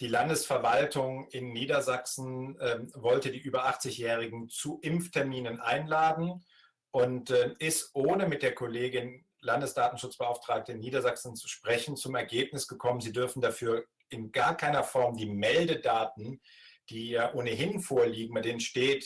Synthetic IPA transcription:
d̥iːlandəsfɛɐvaltʊŋɪnːiːdɐzaksn̩ɛvɔltədiːʔyːbɐʔaχt͡sɪçjɛːʁ̞ɪɡŋ̩t͡suʔɪmftʰɛɐmiːnənʔa̰ɪnlaːdn̩ | ʔʊntɛɪstʔoːnəmɪt̚d̥eːɐkʰɔleːɡɪn | landəsd̥aːtn̩ʃʊt͡sb̥əʔaʊftʁ̥aːk̚təɪnːiːdɐzaksn̩t͡su̥ʃpʁ̥ɛçn̩t͡sʊmɛɐɡeːpnɪsɡ̥əkʰɔmənziːdʏɐfn̩dafyːɐ | ɪnɡ̥aːɐkʰaɪnɐfɔɐmdiːmɛldədaːt̚n̩ | d̥iːjaːʔoːnəɦɪnfoːɐliːɡŋ̩baɪdeːnənʃteːt

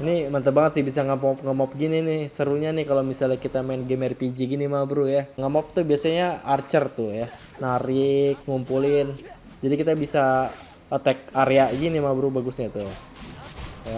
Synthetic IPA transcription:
inimant̪̬əbaŋət̪sɪhbisaŋəmɔp̚ŋəmɔp̚ɡininɪhsəɾuɲanɪhkalomisalɲakit̪amaɪnɡemɛrpid͡ʒiɡinimabɾujaŋəmɔp̚t̪ubiasaɲaart͡ʃərt̪ʊja | naɾɪk̚ŋumpulɪn | d͡ʒadikit̪abisa | ət̪ɛk̚aɾeaʔɡinimabɾubaɡʊsɲat̪ʊ | ja

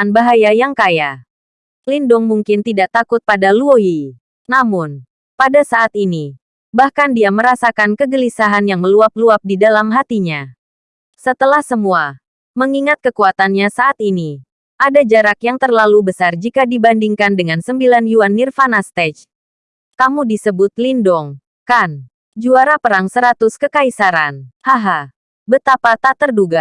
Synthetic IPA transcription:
anbaɦajajaŋkaja | lindʊŋmuŋkɪnt̪idaʔt̪akʊt̪̚padaluoi | namʊn | padasaʔːt̪̚ini | bahkandiaməɾasakankəɡəlisaɦanjaŋməluap̚luap̚didalamɦat̪iɲa | sət̪əlahsəmua | məŋiŋat̪̚kəkuat̪anɲasaʔat̪ini | ʔadad͡ʒaɾakjaŋt̪ərlalubəsard͡ʒikadibandiŋkandəŋansəmbilanjuanːirfanast̪ɛt͡ʃ | kamudisəbʊt̪lindɔŋ | kan | d͡ʒuaɾapəɾaŋsəɾat̪ʊskəkaisaɾanhaɦa | bət̪apat̪at̪ərduɡa

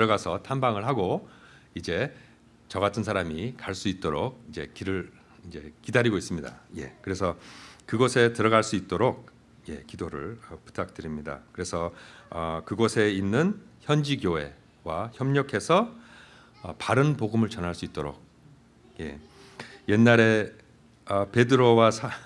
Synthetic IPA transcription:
tɾʌɣasʰʌtʰanbaŋɯɭɦaɡo | id͡ʑe̞ | t͡ɕʌɡatʰɯnsʰaɾamikaɭs͈uit̚t͈oɾok̚id͡ʑe̞̰kiɾɯ | id͡ʑe̞kidaɾiɡois͈ɯmɲida̰je̞̰kɯɾe̞sʰʌkɯɡosʰe̞tɯɾʌɣaɭs͈uit̚t͈oɾok̚ | je̞̰kidoɾɯ̰ɭʌpu̥tʰak̚tɯɾimɲida̰kɯɾe̞sʰʌʌkɯɡosʰe̞inːɯnçjʌnd͡ʑiɡjoɦe̞̰ | waçjʌmɲʌkʰe̞sʰʌ | paɾɯnpoɡɯmɯɭt͡ɕʌnɦaɭs͈uit̚t͈oɾo̰k̚ | je̞̰ | je̞nːaɾe̞ | ʌpe̞dɯɾowasʰa

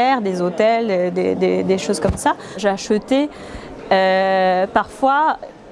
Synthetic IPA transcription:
ɛʁd̪ezot̪ɛld̪ḛd̪ed̪eʃozkɔmsa | ʒaʃət̪e | øpaʁfwa

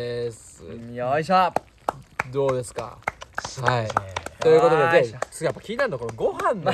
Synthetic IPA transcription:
es | iais̬a | d̪o̞ːd̪e̞sɨ̥ka̰hait̪o̞jɯ̟kot̪od̪ezet͡ɕɨ̥japːakʲiɲinaɾɯokoɾɡo̞hãnːa

